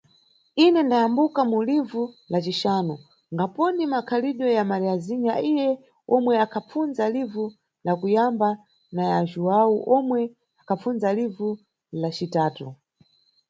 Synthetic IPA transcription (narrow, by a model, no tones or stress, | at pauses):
inɛndajambukamulivulat͡ʃiʃaːnɔ | ŋɡapɔnimakʰaliɗɔjamaɾiaziɲɡaijɛ | ɔmwɛakʰap͡funzalivu | lakujamba | najaʒuwauʔɔmwɛ | akʰap͡funzalivu | lat͡ʃitaːtu